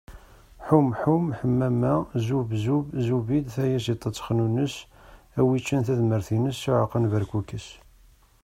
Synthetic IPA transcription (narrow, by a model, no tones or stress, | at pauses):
ħumħumħəmːæmæzubzubzuvid̪θæjæsit̪ˤːət͡sːχnunəsæwit͡ʃːænθæðməɾθinəsːiʕəqːənvəɾkukːəs